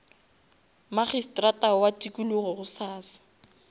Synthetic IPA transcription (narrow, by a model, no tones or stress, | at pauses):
maχistʼratʼawatʼikʼuluɣɔɣʊsaːsḁ